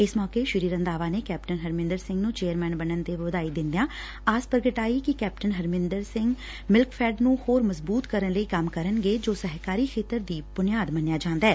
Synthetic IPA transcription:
ɪsmɔːkeʃɪɾiːɾə̃nd̪aːʋaːnekɛːp̚ʈənɦəɾmɪ̃nd̪əɾsɪ̃ŋɡnũːt͡ʃeːəɾmɛ̃ːnbənənt̪eʋʊd̪aːid̪ɪ̃nd̪ejãː | aːspəɾɡəʈaːikikɛːp̚ʈənɦəɾmɪ̃nd̪əɾsɪ̃ŋɡ | mɪlkfʰɛːɖnũːhoːɾməzbuːt̪kəɾənləiːkɐmkəɾənɡeːd͡ʒoːsəɦkaːɾiːxʰeːt̪əɾd̪iːb̥ʊnɪjaːd̪mənjaːd͡ʒãːnd̪aɛː

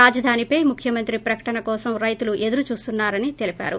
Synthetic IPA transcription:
aːd͡ʒɐd̪ʱaːnipɐjmukʰjɐmɐnt̪ɾipɾɐkɐ̥ʈɐnɐkɔːsɐmɾɐjt̪uluʔe̞d̪uɾut͡ʃuːst̪unːaːɾɐnit̪e̞lipʲa̰ːɾu

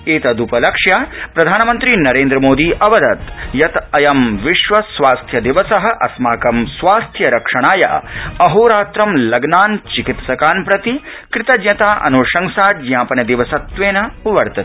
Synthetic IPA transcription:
eːt̪ɐd̪upɐlɐkʂjaːpɾɐd̪ʱaːnɐmɐnt̪ɾinɐɾeːnd̪ɾɐmoːd̪iːʔɐʋɐd̪ɐt̪jɐt̪ɐjɐmʋiʃʋɐsʋaːst̪ʰjɐd̪iʋɐsɐɦɐ̆ʔɐ̰smaːkɐmsʋaːst̪ʰjɐɾɐkʂɐɳ̃aːja̰ːɐɦoːɾaːt̪ɾɐmlɐɡnaːnt͡ʃikit̪sɐkaːnpɾɐt̪i | kɾɪt̪ɐd̪ɲɐt̪aːʔɐ̰noːʃɐŋsaːd͡ʒ̪jãːpɐnɐd̪iʋɐsɐt̪ʋeːnɐʋɐɾt̪ɐt̪i̥

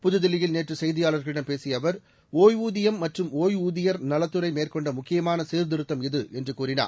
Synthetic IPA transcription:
pʊðɯðɪlːɪjɪlneːʈrɯsɛjðɪjaːlɐɾɣɐɭɪɽɐmpeːsɪjɐʋɐɾ | oːjuːðɪjɐmːɐʈrɯmoːjuːðɪjɐɾnɐlɐt̪ːɯɾɐɪmeːrkɔɳɖɐmʊkːɪjɐmaːnɐseːɾd̪ɪɾɯt̪ːɐmɪðɯʔɛndrɯkuːrɪna̰ːɾ

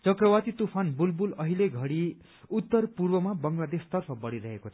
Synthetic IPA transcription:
t͡sʌkrʌwat̪it̪upʰanbulbulʌɦileɡʱʌɽi | ut̪ːʌrpurbʌmabʌŋɡlad̪est̪ʌrpʰʌbʌɽiɾʌɦekot͡sʰʌ

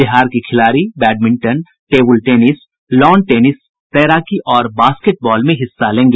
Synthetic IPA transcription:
bɪɦaːɾkikʰɪlaːɾibɛːɖ̚mɪ̃ɳʈən | ʈeːbəlʈeːnɪs | lɔːnʈeːnɪs | t̪ɛːɾaːkiʔɔːɾbaːskeʈ̚bɔːlmẽɦɪsːalẽːŋɡe

